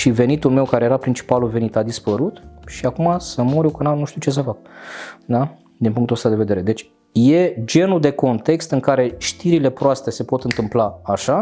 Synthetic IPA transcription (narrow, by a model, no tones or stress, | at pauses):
ʃive̞nit̪ulme̞wkaɾejeɾapɾint͡ʃi̥paluve̞nit̪ad̪ispəɾut̪ʃiakumasəmoɾuwkənanuʃt̪iuwt͡ʃe̞s̬əfakd̪a | d̪inpuŋkt̪uost̪ad̪eve̞d̪e̞ɾe̞d̪e̞t͡ʃʲ | je̞d͡ʒe̞nud̪e̞ko̞nt̪e̞kst̪ɨŋkaɾe̞ʃt̪iɾile̞pɾoast̪e̞se̞po̞t̪ɨnt̪ɨmplaaʃa